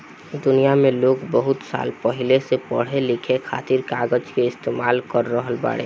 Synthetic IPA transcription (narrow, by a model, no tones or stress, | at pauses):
d̪ʊnijamẽloːɡbəɦʊt̪sa̰ːlpəɦilesepəɽ̤elɪkʰekʰa̰ːt̪iɾkaːɡəd͡ʒkeɪst̪emaːlkəɾːəɦəlba̰ːɽḛ